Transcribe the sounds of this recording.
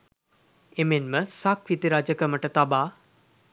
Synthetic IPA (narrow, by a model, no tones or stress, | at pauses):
emenməsakʋit̪iɾad͡ʒəkəməʈət̪abaː